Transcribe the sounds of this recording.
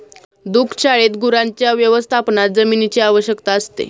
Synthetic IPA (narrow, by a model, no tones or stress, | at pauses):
d̪ukʰt͡ɕaɭet̪ɡuɾaɲt͡ɕjaʋjəʋəst̪ʰapnat̪̚d͡zəminit͡ɕiaʋəɕjəkt̪aəst̪ḛ